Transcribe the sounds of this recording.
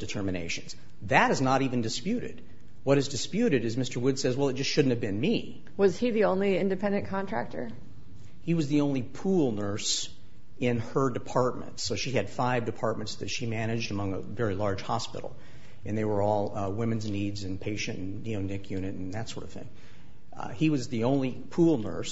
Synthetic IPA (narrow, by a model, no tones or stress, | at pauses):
d̥ɨtʰɜ˞mɨneɪʃɨ̃nz̥ | ðɨɾɨznəɾivɨ̃n̩dɨspjʉɾɪ̰d̥̚ | wʌɾɨzdɨspjʉɾɨɾɨzmɪstə˞wʊd̥sɛzwɛlˠət̚ʒ̥ʌstʃʊdⁿn̩thɨvbɨ̃nmi | wʌz̥iðiõʊ̃nliɪ̃ndɨpʰɛ̃ndɨ̃nkʰɑ̃ntʰɹ̥æ̰k̚tʰə̰˞ | hiwʌzðiõʊ̃nlipʰulˠnɜ˞s | ɪ̃nə˞dɨpʰɑɹt̚mɨ̰̃ntsoʊʃiɨd̥faɪvdɨpʰɑɹt̚mɨ̃ntsðɨtʃimæñɨd͡ʒdɨmʌ̃ŋə̰vɛɹilɑɹd̥ʒ̥hɑ̰spɪ̰ɾl̩ˠ | ɨ̃nðeɪwə˞ɔlˠwɪ̃mɨ̃nznidzɨ̃npʰeɪʃɨ̃nʔn̩ːioʊnɪkʰjʉ̃nɨɾn̩ðɨtsɔ̰ɹɾʌv̥θɪ̰̃ŋ | hiwʌzðiõʊ̃nlipʰulˠnɜ̰˞s